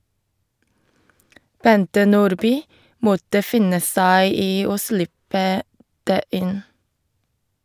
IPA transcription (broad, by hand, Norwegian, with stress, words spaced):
ˈbɛntə ˈnuːɾˌbyː ˈmɔtə ˈfɪnə ˈsæɪ ˈiː ˈoː ˈslɪpə ˈdeː ˈʔɪn